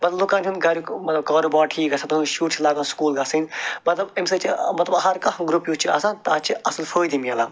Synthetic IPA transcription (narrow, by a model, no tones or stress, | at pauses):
mɐt̪lɐlokaːnʲunɡɐɾukmɐt̪lɐb̚kaːɾobaːʈʰiːkɡɐsɐ̃t̪ɐʃuːʈt͡ʃʰilaːɡaːnskuːlɡɐsinmɐt̪lɐbemsɐt͡ʃʰimɐt̪lɐbɐɦɐɾkɐɡɾupjut͡ʃʰia̰ːsãnt̪aːt͡ʃʰiɐsɐlfʰəːd̪imijɐlaː